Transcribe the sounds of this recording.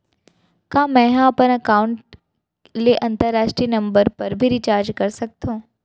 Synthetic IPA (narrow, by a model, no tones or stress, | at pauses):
kãːmɛ̃ːɦãɐpənɐkaːʊɳʈ | leʔɐ̃nt̪əɾːaːʃʈɾinɐ̃mbəɾpɐɾbʱiɾit͡ʃaːɾd͡ʒkɐɾsɐk̚t̪ʰõː